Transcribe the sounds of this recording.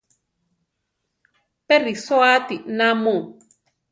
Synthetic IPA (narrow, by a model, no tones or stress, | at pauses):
perisoat̪inamũ